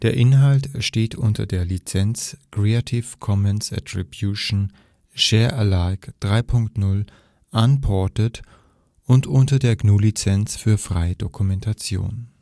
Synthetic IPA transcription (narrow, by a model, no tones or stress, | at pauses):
d̥eːɐʔɪnɦaltʃteːtʰʔʊntɐ̰deːɐlit͡sɛnt͡skʁ̥eatʰɪfkʰɔmɛnsa̰tʁ̥ibjuʃn̩ | ʃɛːɐʔəlaɪkd̥ʁaɪpʰʊŋktnʊl | ʔanpʰɔɐtət | ʔʊntʔʊntɐdeːɐɡnuːlit͡sɛnt͡sfyːɐfʁ̥a̰ɪəd̥okʰumɛntʰat͡sjo̰ːn